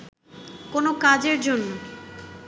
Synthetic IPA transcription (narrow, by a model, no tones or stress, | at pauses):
konokad͡ʑeɾd͡ʑonːo